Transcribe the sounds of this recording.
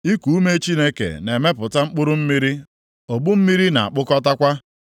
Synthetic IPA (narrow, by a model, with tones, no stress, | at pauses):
i˦ku˨u˦me˦t͡ʃi˦ne˦kḛ˨ne˨me˦pʊ˨ta˦ŋ͡m̩˦k͡pʊ˦ɾʊ˦m̩˦mi˦ɾi˦ | o˨bu˦m̩˦mi˦ɾi˦na̰˨a̰˨k͡pʊ˦kɔ˦ta˦kʷa˦